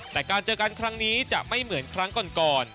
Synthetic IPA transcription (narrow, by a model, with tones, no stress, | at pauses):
t̪ɛː˨˩kaː˧nt͡ɕɤː˧ka˧nkʰɾa˦˥ŋniː˦˥t͡ɕa̰˨˩ʔma˥˩jmɯ˩˦ənkʰɾa˦˥ŋkɔː˨˧nkɔː˨˩n